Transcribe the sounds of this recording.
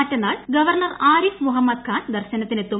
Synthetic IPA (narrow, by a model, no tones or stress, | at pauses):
ɐtːɐnːaːɭɡɐʋɐrɳɐraːɾismuɦɐmːɐd̪̚kʰaːnd̪ɐrɕɐnɐt̪ːine̞t̪ːum